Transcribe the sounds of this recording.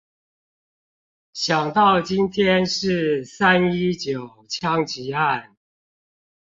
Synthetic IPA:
ɕjɑ˨˩ŋt̪ɑ˥˩ʊt͡ɕi˦nt̪ʰjɛ˥nʂɻ̩˥˩sa˦˥ni˥t͡ɕjo˨˩ʊt͡ɕʰjɑ˥ŋt͡ɕi˧˥a˥˩n

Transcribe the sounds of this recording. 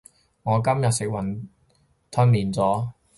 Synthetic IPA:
ŋɔː˨˧kɐ˥mjɐ˨t̚sɪ˨k̚wɐ˨˩n | t̪ʰɵ˧nliː˨˩nt͡sɔː˨˥

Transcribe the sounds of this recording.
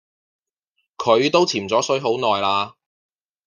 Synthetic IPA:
kʰɵ˨˧ɥt̪o˥wt͡sʰiː˨˩mt͡sɔː˨˥sɵ˨˥ɥɦo˨˥wnɔː˨jlaː˧

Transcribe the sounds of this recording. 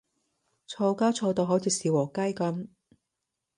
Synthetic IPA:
t͡ʃʰɔː˧kaː˥t͡ʃʰɔː˧wt̪o˧wɦo˨˥wt͡sʰiː˨˧siː˨wɔː˨˩kɐ˥jkɐ˨˥m

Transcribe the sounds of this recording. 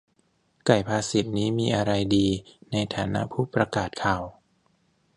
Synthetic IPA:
ka˨˩jpʰaː˧si˨˩t̪̚niː˦˥miː˧ʔa˧ɾa˧jdiː˧na˧jt̪ʰaː˩˦na̰˦˥ʔpʰuː˥˩pɾa˧kaː˨˩t̪̚kʰaː˨˩w

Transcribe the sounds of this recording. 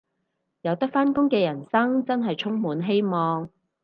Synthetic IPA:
jɐ˨˧wt̪ɐ˥k̚faː˥nkʊ˥ŋkɛː˧jɐ˨˩nsɐ˥ŋt͡sɐ˥nɦɐ˨jt͡sʰʊ˥ŋmuː˨˥nɦe˥jmɔː˨ŋ

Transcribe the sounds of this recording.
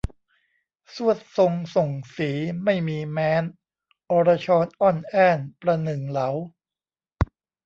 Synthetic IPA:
su˥˩ət̪̚so˧ŋso˨˩ŋsiː˩˦ma˥˩jmiː˧mɛː˧n | ʔɔː˧ɾa˧t͡ɕʰɔː˧nʔɔ˥˩nʔɛː˥˩npɾa˧nɯ˨˩ŋla˩˦w

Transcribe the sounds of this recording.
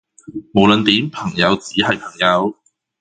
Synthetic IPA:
mo˨˩wlə˨˧nt̪iː˨˥mpʰɐ˨˩ŋjɐ˨˧wt͡siː˨˥hɐ˨jpʰɐ˨˩ŋjɐ˨˧w

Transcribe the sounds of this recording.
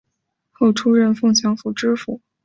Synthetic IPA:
xo˥˩ʊʈ͡ʂʰu˥ɻə˥˧nfɤ˥˩ŋt͡ɕʰjɑ˧˥ŋfu˨˩ʈ͡ʂɻ̩˥fu˨˩˦

